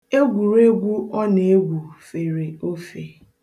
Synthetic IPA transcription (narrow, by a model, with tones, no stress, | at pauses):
e˦ɡʷu˨ɾe˦ɡʷu˦ɔ˦ne˨e˦ɡʷu˨fe˨ɾe˨o˦fe˨